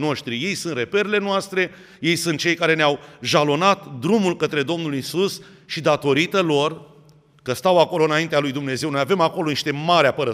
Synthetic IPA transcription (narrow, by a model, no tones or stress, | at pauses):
no̞ʃt̪ɾije̞jsɨnt̪re̞pe̞ɾele̞noast̪ɾe̞ | je̞jsɨnt̪̚t͡ʃe̞jkaɾe̞neawʒalo̞nat̪d̪ɾumulkət̪ɾe̞d̪o̞mnulisus | ʃid̪at̪o̞ɾit̪əlo̞r | kəst̪awako̞lo̞ɨnaint̪ealujd̪umne̞ze̞wnojave̞mako̞lo̞niʃt̪e̞maɾeapəɾə